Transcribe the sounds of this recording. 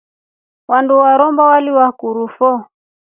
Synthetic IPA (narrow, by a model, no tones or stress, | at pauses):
wanduwaɾɔmbawaliwakuɾufɔ